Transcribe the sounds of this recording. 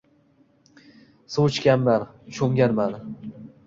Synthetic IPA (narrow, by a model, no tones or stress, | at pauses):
suwt͡ʃkʲanman | t͡ʃʰoŋɡʲanman